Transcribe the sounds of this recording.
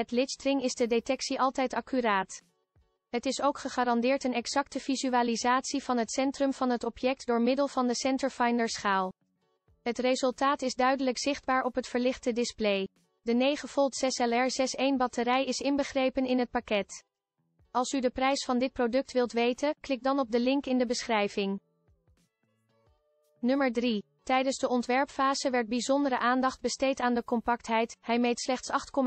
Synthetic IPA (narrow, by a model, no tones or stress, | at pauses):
ɛtlɪtstrɪŋɪzdədetɛksiʔɑlˠtɛjtɑkyɾaːt | ɦətɪsowkχəχaːɾɑndɪːɹtənɛksɑk̚təv̥izyaːlizaːtsiv̥ɑnɦətsɛntrɵmv̥ɑnɦətɔpjɛk̚tdʊːɹmɪdəlˠv̥ɑndəsɛntəɹfɑjndəɹsχaːlˠ | ɦətrezɵlˠtaːtɪzdœɥdələkz̥ɪχd̚baːɹɔpɦətfəɹlɪχtədɪsplej | dənejχəfɔlˠtsɛsɛlɛɹzɛsejnbɑtəɾɛjɪsɪnbəχrejpənɪnɦət̚pakɛt | ɑlˠsydəprɛjsfɑndɪt̚prodɵk̚tʋɪlˠtʋejtənklɪk̚dɑnɔb̚dəlɪŋkɪndəbəsχrɛjvɪŋ | nɵməɹdri | tɛjdənzdəɔntʋɛɹpfaːzəʋɛɹt̚bizɔndəɾəʔaːndɑχd̚bəstejtaːndəkɔmpɑk̚tɦɛjthɛjmejtslɛχtsɑχtkɔm